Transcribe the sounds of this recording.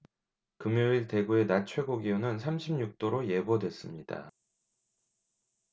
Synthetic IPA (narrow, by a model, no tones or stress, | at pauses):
kɯmjoiɭte̞ɡue̞nat͡ɕʰwe̞ɡoɡiunɯnsʰamɕʰimɲuk̚t͈oɾoje̞bodwe̞s͈ɯmɲid̥a̰